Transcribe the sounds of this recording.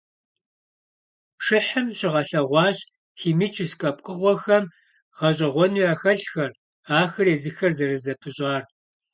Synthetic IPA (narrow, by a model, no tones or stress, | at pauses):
ʂɪħɨmɕɪʁɐɬɐʁʷɑːɕ | xiːmit͡ʃʰʼɪskʼɐp̚ʼkʼɨʁʷɔxɐm | ʁɐɕʼɐʁʷɔnuːaːxɐɬxɐr | aːxɨreːzɨxɐrzɐrɨzɐpʰɨɕʼɑːr